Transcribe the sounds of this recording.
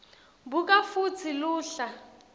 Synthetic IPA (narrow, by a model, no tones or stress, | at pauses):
bukʼafut͡sʰiluːɬa